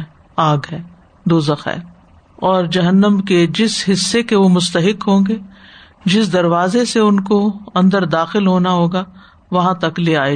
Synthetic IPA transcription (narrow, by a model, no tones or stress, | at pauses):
aːɡɦɛː | d̪oːzɐxɛ̰ | ɔːɾd͡ʒɐɦənːəmked͡ʒɪsɦɪsːekeʋomʊst̪əɦɪkɦõːŋɡeː | d͡ʒɪsd̪ɐɾʋaːzeseʊnkoɐ̃nd̪əɾd̪aːxɪlɦoːnaɦoːɡa | ʋɐɦãt̪ɐkleaːe